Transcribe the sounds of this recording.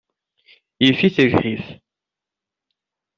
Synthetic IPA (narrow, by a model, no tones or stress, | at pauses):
jifiθəʒħiθ